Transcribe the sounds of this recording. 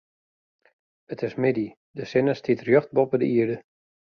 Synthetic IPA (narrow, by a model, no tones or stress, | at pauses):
ətɪsmɪdi | dəsɪnəstʰitrjøxt̚bɔpədəiərdə